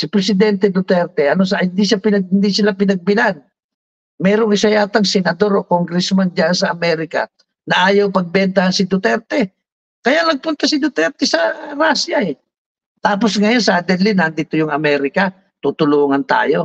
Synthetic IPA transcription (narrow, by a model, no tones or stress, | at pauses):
sɪpɾɛsɪd̪ɛnt̪ɛd̪ʊt̪ɛɾt̪ɛʔɐnos̬ahɪnd̪iʃapɪnɐɡ̚ɪnd̪isɪlapɪnɐɡ̚bɪlan | mɛːɾoŋɪsɐjaːt̪ɐŋsɛnɐd̪o̞ɾokoŋɡɾɛsmand͡ʒaʔnsɐʔɐmɛːɾɪka̰ | nɐʔaːjawpɐɡ̚bɛnt̪ɐhɐnsɪd̪ʊt̪ɛɾt̪ɛ | kɐjalɐɡ̚pʊnt̪asɪd̪ʊt̪ɛɾt̪ɛsɐɾasjaɛ | t̪aːposŋɐjonsɐd̪ɛlɪnɐnd̪it̪ojʊŋɐmɛːɾɪka | t̪ut̪ʊluːŋɐnt̪a̰ːjo̞